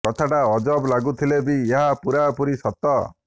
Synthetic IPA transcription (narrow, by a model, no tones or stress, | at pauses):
kɔt̪ʰaʈaɔd͡ʒɔblaɡut̪ʰilebieɦapuɾapuɾisɔt̪ɔ